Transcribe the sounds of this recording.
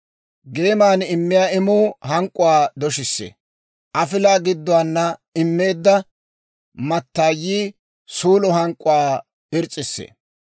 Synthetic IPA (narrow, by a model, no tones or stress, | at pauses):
ɡe̞ːmaːnɪmːɪjaːɪmuːhɐŋkʼːʊwaːd̪ɔʃɪsːḛː | ʔɐfɪlaːɡɪd̪ːʊwaːnːɐɪmːe̞ːd̪ːɐ | mɐt̪ːaːjːiː | suːlɔɦɐŋkʼːʊwaː | ɪɾt͡sʼːɪsːḛː